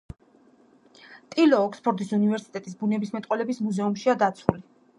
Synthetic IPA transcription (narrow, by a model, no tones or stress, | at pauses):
t̪ʼilɔːkʰspʰɔɾd̪isunivɛɾsi̥t̪ʼɛt̪ʼisbunɛbismɛt̪ʼqʼwɛlɛbismuzɛumʃiad̪at̪sʰuli